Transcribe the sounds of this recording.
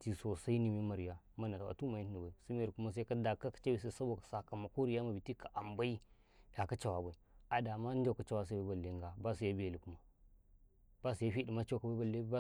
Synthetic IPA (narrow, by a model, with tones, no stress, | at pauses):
ti˨so˨sa˦i˦ni˨mi˦ma˨ɾi˨ja˦ma˦na˨a˨a̰˨tu˦ma˨ji˦ni˨ba˨i˨si˦mi˦ja˨li˨ku˦ma˦s̬a˦ka˦da˨ka˦kḁ˨t͡ʃa˦bi˨s̬a˦˨sa˦bo˦˨kḁ˨sa˦˨ka˨ma˨ku˦ɾi˨ja˦ma˨bi˨ti˦kʰa˨ʔa˨mba˦i˦ | ja˨ka˦t͡ʃa˨wa˨ba˨i˨a˨da˨ma˦n˦da˦˨ka˨t͡ʃa˦wa˦s̬a˦ba˦ba˨lːe˦ŋɡa˨ba˦si˨ja˦bi˦ja˨li˨ku˦ma˨ | ba˦si˨ja˦fi˦di˨ma˦t͡ʃa˦wka˨ba˦a˨lːe˦